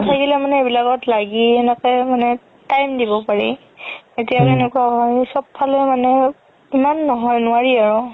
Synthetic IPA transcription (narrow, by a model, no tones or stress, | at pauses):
tʰakilɛmanɛebilakɔtlaɡiɛnɛkɛjmanɛ | tajmdibɔpaɹi | etijakenɛkuaɦɔjsɔb̚pʰalɔjmanɛ | imanːɔɦɔjnʊaɹiaɹɔ